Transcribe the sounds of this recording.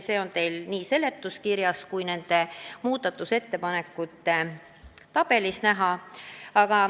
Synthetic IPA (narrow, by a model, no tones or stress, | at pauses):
se̞ːo̞nt̪e̞jlniːse̞le̞t̪ːˑuskiɾjɑskujne̞nd̪̥e̞muːd̪̥ɑt̪ːˑuse̞t̪ːe̞pɑne̞kːˑut̪ːe | t̪ːɑb̥e̞lisnæɦɑɑɡ̥ɑ